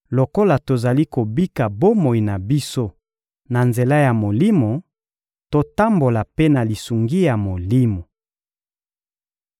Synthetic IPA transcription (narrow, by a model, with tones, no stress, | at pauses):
lo˨ko˦la˨to˨za˨li˦ko˨bi˦ka˨bo˦mo˨i˨na˨bi˦so˦ | na˨nze˨la˦ja˨mo˨li˦mo˨ | to˨ta˦mbo˨la˨pe˦na˨li˨su˨ŋɡi˦ja˨mo˨li˦mo˨